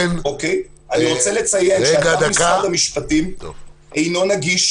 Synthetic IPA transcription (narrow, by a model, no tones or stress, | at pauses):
nokej | aniʁot͡sele̞t͡sajeeaɡaad̪amiskaadamiʃpatim | ejno̞naɡiʃ